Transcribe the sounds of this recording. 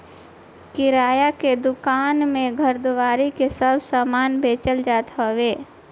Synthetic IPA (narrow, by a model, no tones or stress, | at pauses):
kɪɾaːjaked̪ʊkaːnmẽɡʱəɾd̪ʊʋaːɾikesəbʱsaːmaːnbeːt͡ʃəld͡ʒaːt̪ɦoweː